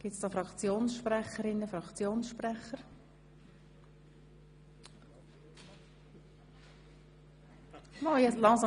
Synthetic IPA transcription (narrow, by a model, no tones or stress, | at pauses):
ɡ̥ɪtsd̥ɑːfɾɑkt͡sjoːnsʃpɾɛχəɾɪnːəfɾɑkt͡sjoːnsʃpɾɛχəɾ | nɔjɛslɑŋsɑ